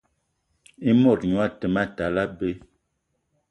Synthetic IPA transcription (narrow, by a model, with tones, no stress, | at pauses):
i˦mɔ˦˨tɲwa˦tə˨ma˦ta˨la˦be˦